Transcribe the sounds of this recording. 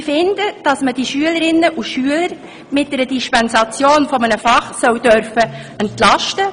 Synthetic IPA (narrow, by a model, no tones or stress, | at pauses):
fɪnd̥əd̥ɑsməd̥iʃyələɾɪnːəʔuʃyələɾ | mɪt̚d̥ɛɾəd̥ɪʃpɛnsɑt͡sjoːnfɔmənəfɑχsœwd̥œɾfəɛntlɑʃtə